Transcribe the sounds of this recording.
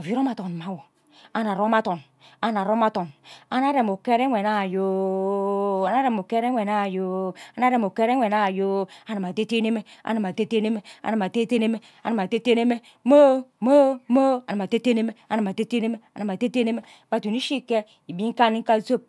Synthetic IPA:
o˨vi˦ɾo˦ma˦to˨n˨ma˨wo˨ | a˨na˨ɾo˦ma˦to˨n | a˨na˨ɾo˦ma˦to˨na˨na˦ɾe˨mo˨ke˦ɾe˦e˨na˦˨jo˦ | a˨na˦ɾe˨mo˨ke˦ɾe˦wʷe˨na˦˨jo˨˦a˨na˦ɾe˨mo˨ke˦ɾe˦e˨na˦˨jo˦a˨na˨ma˨te˦te˦ne˦me˦a̰˨na˨ma˨te˦te˦ne˦me˦a̰˨na˨ma˨te˦te˦ne˦me˦ | a̰˨na˨ma˨te˦te˦ne˦me˦ | mo˦mo˦mo˦a˨na˨ma˨te˦te˦ne˦me˦a˨na˨ma˨te˦te˦ne˦me˦a˨na˨m˨a˨te˦te˦ne˦me˦ba˨tu˨ni˦ʃi˦ke˦ | i˨bi˦ŋ̩˦ka˦ni˦ŋ˦ka˦zo˦˨p̚

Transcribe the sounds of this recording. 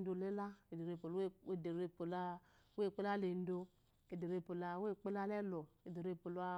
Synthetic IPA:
do˧le˦la˦e˨de˨ɾe˧po˨le˦˨de˨ɾe˦˨po˨la˦ | we˦˨k͡pe˦la˦le˨n̩˦do˧ | e˨de˨ɾe˧˨po˨la˧we˦˨k͡pe˦la˦lɛ˦lɔ˨ke˨de˨ɾe˦˨po˨la˧

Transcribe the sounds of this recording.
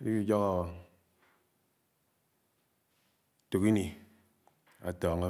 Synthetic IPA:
i˦ki˦d͡ʒɔ˦ka˨ | to˨ki˦ni˨ | a̰˨tɔː˨ŋa˦

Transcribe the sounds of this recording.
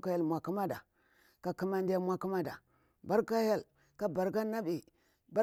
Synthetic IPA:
ka˦ja˦lmʷ˨a˨ku˦ma˦da˨ | ka˨ki˦ma˦ndi˦ja˦mʷa˦ku˦ma˦da˨ | ba˦ɾka˦ja˦l | ka˦ba˨ɾka˦na˦bi˨ | ba˦

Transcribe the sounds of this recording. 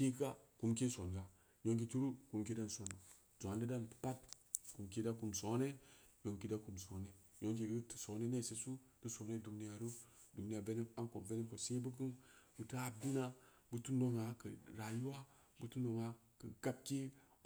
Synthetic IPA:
ke˦ɡa˦ku˧mke˦so˨nɡa˨ | ɲo˨ŋk̬i˨t͡ʃi˦ɾu˦ku˨mke˦da˦n˨so˨no˨ | zo˨a˨ndi˦da˦n˨ppa˦t | ku˨mke˦da˦ku˨mso˨˦ne˦jo˨ŋki˦da˦ku˨mso˨˦ne˦ | jo˦ŋke˨ɡə˦tso˨˦ne˦ne˦˨se˨su˦tɨ˦so˨˦ne˦du˨ni˦ja˨ɾu˦ | du˨ni˦a˨ve˦ne˦a˦nko˨ve˦ne˦ko˨si˦bɨ˦k̬ɨ˦nbɨ˨tɨ˦a˨bi˦na˦ | bɨ˦tu˦no˨ŋa˨kə˨ɾa˨ju˦wa˦ | bɨ˨tu˦no˨ŋa˨ | kɨ˨ɡa˦b̚ke˦

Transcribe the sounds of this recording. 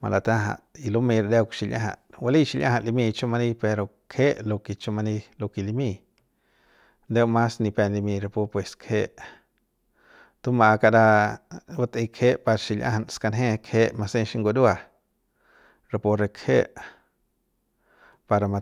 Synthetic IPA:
ma̰˧la˧t̪ã˦ɦa̰˧ʔi˧lu˦mĩ˧ɾd̪e˦wkʃi˧˨lʲjʔã̰˧ɦa̰˧˨ʔwa˧li˦ʃi˧lʲjʔã̰˦hã˧˨ʔli˧mĩ˧t͡ʃu˦ma˧ni˧pe˧ɾo˨ | kʰe˦ʔlo˧ki˧t͡ʃu˧ma˧ni˧lo˧ki˧li˧mĩ˧˨ | nd̪e˦wma˦sni˧pe˧nli˧mĩ˧ɾe˧pu˧pwe˨skʰe˦ʔ | t̪u˦ma˧ka˧da˧wa˦t̪ĩ˧kʰe˦ʔpa˧ɾʃi˧lʔã̰˦ha˧nska˧nɦẽ˦˧kʰeː˦ʔma˧sẽ˦˧ʃi˧˦ŋɡo˧d̪u˦a˧ | ɾe˧po˧ɾe˧kʰhe˦ʔ | pa˧ɾa˧ma˧

